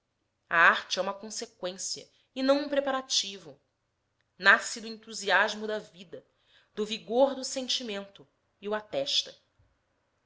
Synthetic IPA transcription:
a̰aɾt͡ʃɪɛũmɐkõsekwẽsiɐ̰ | ɪnɐ̃w̃ũpɾepaɾat͡ʃivʊ | nasid̪ʊẽt̪uziaʒmʊd̪ɐvid̪ɐ | d̪ʊviɡoɾd̪ʊsẽnt͡ʃimẽnt̪ʊ | iuat̪ɛʃt̪ɐ

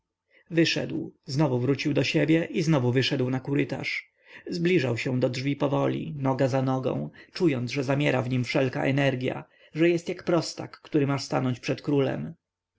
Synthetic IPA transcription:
vɘʂɛ̰d̪wznɔvuvɾut͡ɕiwd̪ɔɕebʲjɛʔiznɔvuvɘʂɛd̪wnakuɾɘt̪a̰ʂ | zblʲiʐawɕɛ̃w̃d̪ɔdʐvʲipɔvɔlʲḭnɔɡazanɔɡɔ̰̃w̃t͡ʂujɔnʐɛzamʲjɛɾavɲimfʂɛlka̰ʔɛnɛɾɡʲja̰ | ʐɛjɛst̪jakpɾɔst̪a̰kːt̪uɾɘmaʂst̪anɔɲt͡ɕpʂɛt̪kɾulɛ̰m

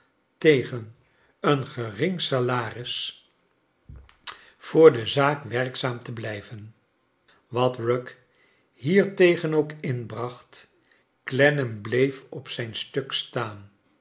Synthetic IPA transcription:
tejχən | ənχərɪŋsalaːrɪs | fʊːɹdəzaːkʋɛɹksaːmtəblɛjvən | ʋɑtrɔk | ɦiːɹtejχənowkɪnbrɑχt | klɛnəmblejfɔpsɛjnstɵkstaːn

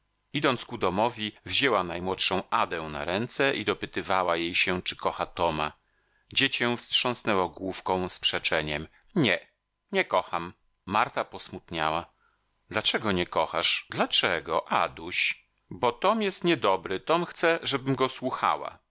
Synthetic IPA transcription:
id̪ɔnt̪skud̪ɔmɔvʲivʑɛwanajmwɔtʂɔ̃w̃ad̪ɛ̃w̃na̰ɾɛnt̪sɛʔid̪ɔpɘt̪ɘvawajejɕɛt͡ʂɘ̥kɔxat̪ɔma | d͡ʑet͡ɕɛ̃fstʂɔ̃w̃snɛwɔɡwufkɔ̃w̃spʂɛt͡ʂɛɲɛm | ɲɛ | ɲɛkɔxamː | aɾt̪apɔsmut̪ɲawa | d̪lat͡ʂɛɡɔɲɛkɔxa̰ʂd̪lat͡ʂɛɡɔʔa̰d̪uɕ | bɔt̪ɔmjɛst̪ɲɛd̪ɔbɾɘt̪ɔmxt̪sɛʐɛbɘmɡɔswuxa̰wa̰

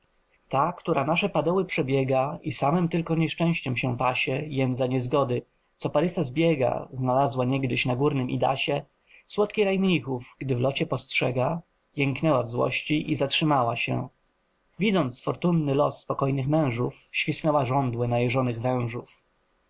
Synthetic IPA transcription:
t̪akt̪uɾanaʂɛpad̪ɔwɘpʂɛbʲjɛɡaisamɘmt̪ɘlkɔɲɛʂt͡ʂɛ̃w̃ɕt͡ɕɛmɕɛ̃paɕɛjɛnd̪zaɲɛzɡɔd̪ɘ | t̪sɔpaɾɘsazbʲjɛɡa̰znalazwaɲɛɡd̪ɘɕnaɡuɾnɘmʔḭd̪a̰ɕɛ | swɔt̪kʲiɾajmɲixufɡ̥d̪ɘvlɔt͡ɕɛpɔstʂɛɡa | jɛŋknɛwavzwɔ̰ɕt͡ɕiʔizatʂɘmawaɕɛ̰ | vʲid̪zɔnt̪sfɔɾt̪unːɘlɔ̰sːpɔkɔjnɘxmɛ̃w̃ʐufɕfʲisnɛwaʐɔnd̪wɘnajɛʐɔnɘɣvɛ̃w̃ʐuf

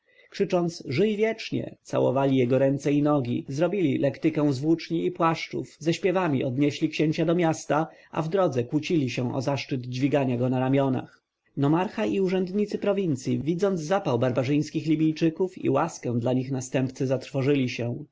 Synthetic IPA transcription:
kʂɘt͡ʂɔnt̪sʐɘjvʲjɛt͡ʂɲɛ̰t̪sa̰wɔ̰valʲijɛɡɔɾɛnt̪sɛinɔɡʲḭzɾɔbʲilʲilʔɛkt̪ɘkɛw̃zvwut͡ʂɲiːpwaʂt͡ʂṵfzɛɕpʲjɛvamʲiʔɔd̪ɲɛɕlʲikɕeɲt͡ɕad̪ɔmʲjast̪aʔa̰vd̪ɾɔd̪zɛkwut͡ɕilʲiɕɛ̃ʔɔ̰zaʂt͡ʂɘd̪d͡ʑvʲiɡaɲaɡɔnaɾamʲjɔna̰x | nɔmaɾxaʔiuʐɛnd̪ɲit̪sɘpɾɔvʲint̪sʲjivʲid̪zɔnd̪zzapawbaɾbaʐɘj̃skʲixlʲibʲijt͡ʂɘkufḭwaskɛ̃w̃d̪laɲixnast̪ɛmpt̪sɘzat̪ɾfɔʐɘlʲiɕɛ

